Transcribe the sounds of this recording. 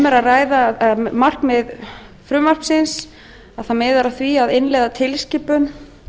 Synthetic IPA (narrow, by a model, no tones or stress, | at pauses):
mɛɾaraːjðamar̥kmɛð | fɾʏmvar̥psɪns | aðθamɪːðaɾaθviaðɪnlɛɣðat̪ʰɪlscɪːpʏn